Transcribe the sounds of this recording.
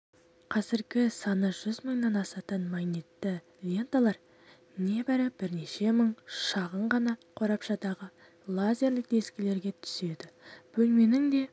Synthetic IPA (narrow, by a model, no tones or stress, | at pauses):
qʰɑzɪɾɡʲɪsɑnəʒ̥ʏzməɴnɑnɑsɑt̪ənmɑjnit̪ːɪ | lʲe̞nt̪alˠɑɾ | ne̞bɪɾɪb̥ɪɾne̞ʃe̞məɴʃɑʁəɴʁɑnɑqʰo̞ɾɑpʃɑd̪ɑʁə | lˠazʲe̞ɾlɪk̚d̪e̞skʲɪle̞ɾɡʲe̞t̪ʰʏ̥se̞d̪ɪb̥ɵlme̞nɪŋd̪e̞